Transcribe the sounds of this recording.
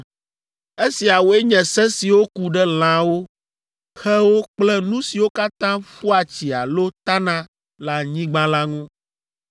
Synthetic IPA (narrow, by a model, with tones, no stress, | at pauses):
e˦si˨a˨wo˦ɛ˦ɲɛ̃˨sɛ˦si˨wo˦ku˨ɖɛ˦l̃ã˦wo˦ | xɛ˦wo˦k͡plɛ˦nũ˦si˨wo˦ka˦t̪ã˦ɸu˦a˨t͡ɕi˨a˨lo˦t̪a˦nã˦ | la˨ɲĩ˦ɡ͡bã˦la˦ŋũ˦